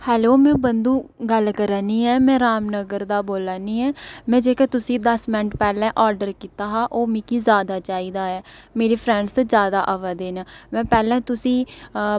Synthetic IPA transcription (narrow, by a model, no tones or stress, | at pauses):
hɛːloːmɛ̃ːbənd̪ũːɡəlkəɾaːniːɛːmɛ̃ːɾaːmnəɡəɾd̪aːboːlaːniːɛːmɛ̃ːd͡ʒeːkɛːt̪ʊsĩːd̪əsmɪnəʈpɛːlɛ̃ːʔɔːɾɖəɾkiːt̪aːɦaːʔoːmĩːkiːzjaːd̪aːt͡ʃaːiːd̪aːɛːmeːɾeːpʰɾɛ̃ːɳɖszjaːd̪aːʔəʋaːd̪eːnaːmɛ̃ːpɛːlɛ̃ːt̪ʊsĩː